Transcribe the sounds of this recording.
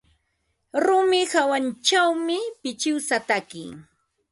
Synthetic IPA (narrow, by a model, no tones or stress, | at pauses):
ɾʊmɪhawant͡ʃawmɪpɪt͡ʃɪwsat̪akɪ̰